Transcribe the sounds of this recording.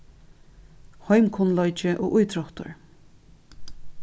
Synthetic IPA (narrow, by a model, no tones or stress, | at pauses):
hɔjmkʰʊnlɔjt͡ʃɪʔo̰ːʔujt̪ɾɔht̪ʊ̰ɹ